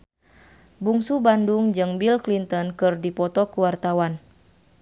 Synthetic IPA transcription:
buŋsubanduŋd͡ʒɨŋbilklint̪ɔnkɨrdipɔt̪ɔkuwart̪awan

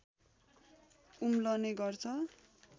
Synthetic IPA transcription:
umlʌneɡʌrt͡sʰʌ

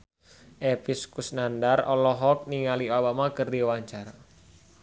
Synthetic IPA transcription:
ʔepiskusnandarɔlɔɦɔk̚niŋaliobamakərdiwaɲt͡ʃara

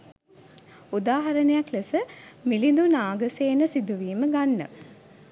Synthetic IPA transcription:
ud̪aːɦɐɾənejaklesəmilind̪unaːɡəseːnəsid̪uʋiːməɡanːə̰

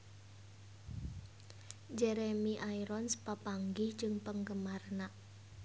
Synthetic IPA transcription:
d͡ʒɛɾemiʔaiɾɔnspapaŋɡi̥d͡ʒɨŋpəŋkəmarnaʔ

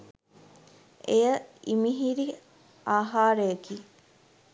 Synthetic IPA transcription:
ejəimiɦiɾi | aːɦaːɾeekiː

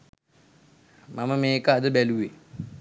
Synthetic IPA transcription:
mamamekad̪əbɛluwe

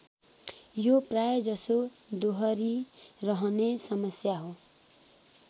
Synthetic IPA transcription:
joprajd͡zʌsod̪oɦʌɾirʌɦʌnesʌmʌsjaɦo

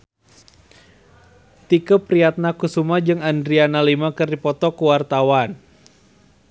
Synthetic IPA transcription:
t̪ikəpɾiat̪̚nakusumad͡ʒɨŋandɾianalimakɨrdipɔt̪ɔkuwart̪awan

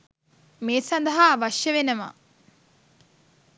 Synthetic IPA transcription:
meːsand̪ɐɦaːʋaʃjəʋenəʋa̰

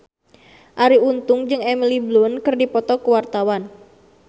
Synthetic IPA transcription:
ʔaɾiunt̪ʊŋd͡ʒɨŋɛmiliblunkɨrdipɔt̪ɔkuwart̪awan

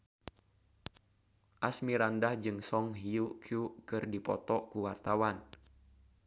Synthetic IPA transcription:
ʔasmiɾandahd͡ʒɨŋsɔŋɦiukʰjukɨrdipɔt̪ɔkuwart̪awan

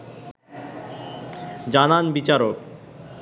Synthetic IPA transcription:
d͡ʑananbit͡ɕaɾok̚

